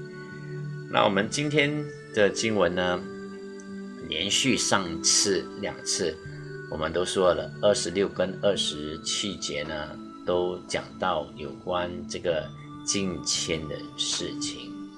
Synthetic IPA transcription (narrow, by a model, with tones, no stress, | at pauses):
nʔa̰˥˩wʔɔ̰˨˩mə˦nt͡ɕi˥nt̪ʰjɛ˥n | d̪̥ə˨t͡ɕi˥ŋwə˧˦nːə˧ | ljɛ̰˧˦˥nɕy˥˧ʂɑ˥˩ŋt͡sʰɹ̩˥˩ljɑ̰˨˩ŋt͡sʰɹ̩˥˩ | wɔ˨˩mə˦nt̪o˥ʊʂwɔ˥lə˨ə˥˩ʂɻ̩˧˥ljo˥˩ʊkə˥nə˥˩ʂɻ̩˧˥t͡ɕʰi˥t͡ɕjɛ˧˥nə˧ | t̪o˥ʊt͡ɕjɑ̰˨˩ŋt̪ɑ˥˩ʊjo˨˩ʊkwa˦nʈ͡ʂɤ˥˩ɡə˩ | t͡ɕi˥nt͡ɕʰjɛ˥nd̪ə̰˨ʂɻ̩˥˩t͡ɕʰḭ˨˩˦ŋ